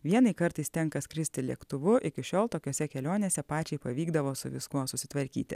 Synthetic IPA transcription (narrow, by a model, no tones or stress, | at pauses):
ʋʲiɛnɐɪkɐɾt̪ɐɪst̪ʲɛŋkɐskɾʲɪsʲt̪ʲɪlʲiɛkt̪ʊʋʊʔɪkʲɪʃʲoːlˠt̪oːkʲoːsʲɛkʲɛlʲoːnʲesʲɛpɑːt͡ʃʲɛɪpɐʋʲiːɡd̪ɐʋoːsʊʋʲɪskuɔsʊsʲɪ̥t̪ʋɐɾʲkʲḭːt̪ʲɪ̰